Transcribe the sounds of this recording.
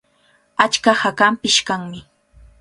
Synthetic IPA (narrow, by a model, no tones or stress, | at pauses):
at͡ʃkahakampɪʃkaŋmɪ